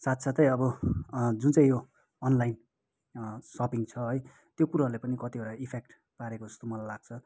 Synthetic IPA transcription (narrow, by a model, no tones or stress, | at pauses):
sat̪sʰʌt̪ʌjʌbʌd͡zunt͡sãĩjoː | nlajin | sʌpiŋt͡sʰʌɦʌj | t̪jokuɾarlepʌnikʌt̪ioɽaipʰek̚ʈ | paɾekod͡zʌst̪omʌlajlaɡ̥̚t͡sʰʌ